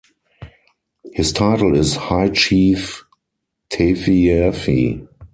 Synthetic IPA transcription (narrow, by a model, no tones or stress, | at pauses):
hɪstʰaɪtl̩ɪshaɪt͡ʃiːf | tʰefiɛfḭ